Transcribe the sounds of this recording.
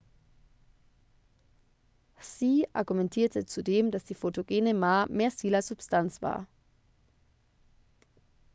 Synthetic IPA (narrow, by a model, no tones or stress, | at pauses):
siːʔa̰ɐɡumɛntʰiːɐtʰət͡sudeːmdasd̥iːfotoɡeːnəmaːmeːɐstiːlɐz̥ʊpstʰant͡sv̥a̰ːɐ